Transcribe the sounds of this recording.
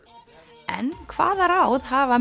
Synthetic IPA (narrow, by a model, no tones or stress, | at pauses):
ɛ̰nkʰva̰ːðaɾawðɦaːva